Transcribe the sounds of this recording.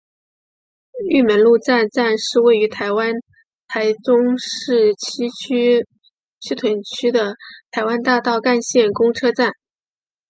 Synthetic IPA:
y˥˩mə˧˥nlu˥˧t͡sa˥˧nt͡sa˥˧nʂɻ̩˥˧we˥˩ɪy˧˥t̪ʰa˧˥ɪwa˥n | t̪ʰa˧˥ɪt͡sʊ˥ŋʂɻ̩˥˩t͡ɕʰi˥ | t͡ɕʰy˥t̪ʰwə˧˥nt͡ɕʰy˥d̪ə˨t̪ʰa˧˥ɪwa˥nt̪a˥˧t̪ɑ˥˧ʊka˥˧nɕjɛ˥˩nkʊ˥ŋʈ͡ʂʰɤ˥t͡sa˥˩n

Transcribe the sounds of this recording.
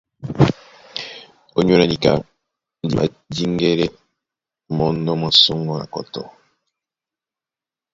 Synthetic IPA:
o˦ɲ˦o˦na˨ni˨ka̰˨ | n˨di˨ma̰˨ | di˦ŋɡe˦ɾe˦ | mɔ˦ndɔ˦mwa˦so˦ŋɡɔ˦na̰˨kɔ̰˨tɔ̰˨

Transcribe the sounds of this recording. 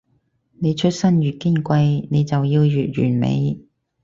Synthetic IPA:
ne˨˧jt͡ʃʰɵ˥t̚sɐ˥nɥyː˨t̚ki˥nkʷɐ˧jne˨˧jt͡sɐ˨wjiː˧wjyː˨t̚ɥy̰ː˨˩nmḛ˨˧j

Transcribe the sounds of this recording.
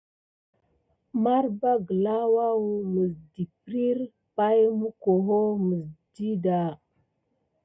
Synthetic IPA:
ma˦ɾba˦ɡə˨la˦wa˦wu˨mə˨sdi˨pɾi˦ɾ | pa˦jmu˦ko˨ɦo˦mə˨sdi˦da˨

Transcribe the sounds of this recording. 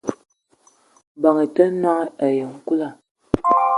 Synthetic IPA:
ba˨ŋe˨tə˦nwa˦ŋ˦ʔa˨jə˨ŋ̩˦ku˦la˦˨

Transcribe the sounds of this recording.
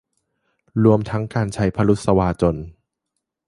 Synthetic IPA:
ɾu˧əmt̪ʰa˦˥ŋkaː˧nt͡ɕʰa˦˥jpʰa˧lu˦˥t̪̚sa˧waː˧t͡ɕo˧n

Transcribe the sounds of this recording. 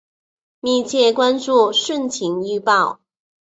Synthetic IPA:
mi˥˧t͡ɕʰjɛ˥˩kwa˥˦nʈ͡ʂu˥˧ʂwə˥˨nt͡ɕʰi˨˥ŋy˥pɑ˥˩ʊ

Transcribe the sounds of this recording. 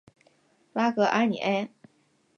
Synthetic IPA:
la˥kɤ˧˥ʔa˥nḭ˨˩ʔɛ˥

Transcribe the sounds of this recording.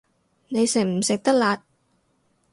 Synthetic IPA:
ne˨˧jsɪ˨˩ŋ̚m̩˨˩sɪ˨k̚t̪ɐ˥k̚laː˨˧t̚

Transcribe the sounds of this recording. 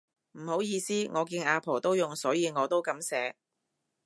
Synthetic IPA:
m̩˨˩ho˨˥wjiː˧siː˥ŋʔɔː˨˧kiː˧nʔaː˧pʰo˨˩wt̪o˥wjʊ˨ŋsɔː˨˥jiː˨˧ŋɔː˨˧t̪o˥wkɐ˨˥msɛː˨˥

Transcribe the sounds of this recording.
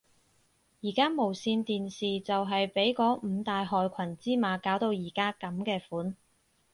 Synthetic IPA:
jiː˨˩kaː˥mo˨˩wsiː˧nt̪iː˨nsiː˨t͡sɐ˨wɦɐ˨jpe˨˥jkɔː˨˥m̩ː˨˧t̪aː˨jɦɔː˨jkʷʰɐ˨˩nt͡siː˥maː˨˧kaː˨˥wt̪o˧wjiː˨˩kaː˥kɐ˨˥mkɛː˧fuː˨˥n

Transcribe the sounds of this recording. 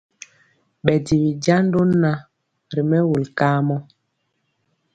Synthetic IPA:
ɓɛ˨di˨wi˨d͡ʒa˦n˦do˦n˦na˦ | ɾi˨mɛ˦wu˨lkaː˦mɔ˦

